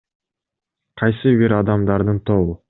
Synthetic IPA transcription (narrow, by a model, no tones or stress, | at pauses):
qʰɑjsɨbiɾɑd̪ɑmd̪ɑɾd̪ɯnt̪ʰolˠu